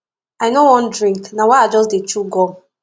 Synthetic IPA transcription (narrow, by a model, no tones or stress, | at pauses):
aɪnowɔ̃ndɹĩŋknawaad͡ʒɔsdet͡ʃuɡɔ